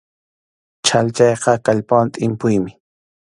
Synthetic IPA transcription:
t͡ʃʰalt͡ʃɑjqɑkaʎpawant̪ʼɪmpʊjmɪ

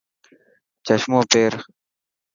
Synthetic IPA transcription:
t͡ʃəʃmoːpeːɾ

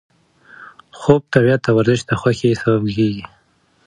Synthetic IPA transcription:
xob̚t̪abjat̪ːawaɾzɪʃt̪axwaxesababkeɡi

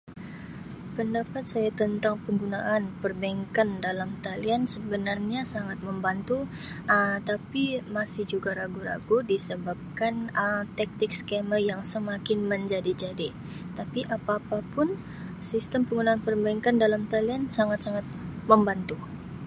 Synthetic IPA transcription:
pəndapat̪̚sajat̪ənt̪aŋpəŋɡunaʔːnpərbaŋkandalamt̪aliansəbənarɲasaŋat̪̚məmbant̪u | ət̪apimasɪhd͡ʒuɡaɾaɡuɾa̰ɡudisəbap̚kanəmt̪ɛk̚t̪ɪk̚skɛməjaŋsəmakɪnməɲd͡ʒadid͡ʒadi | t̪apiʔapapapʊn | sist̪əmpəŋɡunaːnpərbaiŋkandalamt̪aliansaŋat̪̚saŋat̪̚məmbant̪u

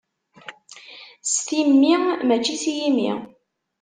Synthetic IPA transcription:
st̪imːimæt͡ʃːisijimḭ

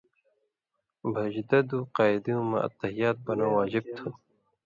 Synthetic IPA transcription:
bʱɐd͡ʑd̪ɐd̪uːqɑːid̪ijũmɐ̰̃ɐ̰t̪ːɐɦijaːt̪̚bɐnawaːd͡ʑib̚t̪ʰu

